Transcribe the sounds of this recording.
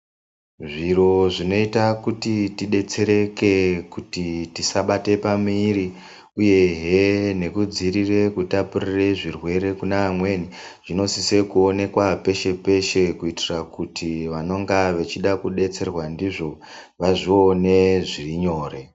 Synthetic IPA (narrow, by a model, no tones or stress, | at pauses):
ʐiro̞ʐino̞itakutitiɗe̞t͡se̞ɾe̞ke̞kutitisaɓate̞pamiːɾi | uje̞ɦene̞kud͡ziɾire̞kutapurireʐirwe̞ɾe̞kunaːmwe̞niʐ̥ino̞sise̞kuo̞ne̞kwape̞ʃe̞pe̞ʃe̞kuitirakutʰiʋano̞ŋɡaʋet͡ʃiɗakuɗe̞t͡se̞rwandiʐo̞ | ʋaʐio̞ne̞ʐiriɲo̞ːre̞